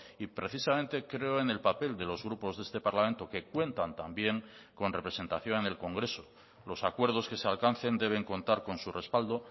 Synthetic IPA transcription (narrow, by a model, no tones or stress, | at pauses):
ipɾe̞θisamẽnt̪e̞kɾe̞oene̞lpape̞ld̪e̞lo̞zɣɾupo̞zðe̞st̪e̞paɾlamẽ̞nt̪o̞ke̞kwe̞nt̪ant̪ambje̞ŋko̞nre̞pɾe̞se̞nt̪aθjo̞nene̞lko̞ŋɡɾe̞so̞ | lo̞sakweɾð̞o̞ske̞sealkanθe̞nd̪e̞β̞e̞ŋko̞nt̪aɾko̞nsure̞spald̪o̞